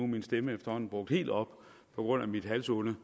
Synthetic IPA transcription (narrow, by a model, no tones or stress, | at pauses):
uminsd̥eməefd̥ɐhɒ̽n̩b̥ʁɔ̽ɡ̥̚d̥he̝̰ːld̥ɒ̽b̥ | pʰɒ̽ɡ̥ʁɔ̽n̰æmid̥ɦælsɔlə